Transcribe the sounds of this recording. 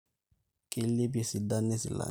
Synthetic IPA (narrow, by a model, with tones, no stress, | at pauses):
kʼe˦le˦b̬e˨si˨da˦ne˦sḭ˨la̰˨